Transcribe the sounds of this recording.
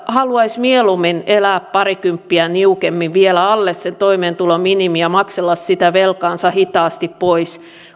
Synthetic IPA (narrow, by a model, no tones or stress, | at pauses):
hɑluɑismieluminelæːppɑrikympːiæniukemːiʋʋielæɑlːessent̪oimeːnt̪ulominimiɑmɑkselːɑssit̪æʋelkɑnsɑhit̪ɑːst̪ippois